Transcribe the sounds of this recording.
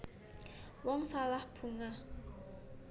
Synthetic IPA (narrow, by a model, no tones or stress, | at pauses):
wɔŋsalahb̥ṳŋa